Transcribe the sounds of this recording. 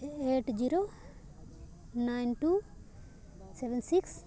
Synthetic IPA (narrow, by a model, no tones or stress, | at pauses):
eːʈd͡ʒiɾo | najnʈu | seʋɛnsiks